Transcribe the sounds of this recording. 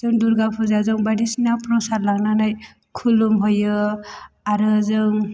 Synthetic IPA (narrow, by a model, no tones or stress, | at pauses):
zɯŋduɾɡapʰɔzazɔŋbadisinapɾɔsaɾlaɡnanaj | kʰulumɦɔjɯ | aɾɯzɯŋ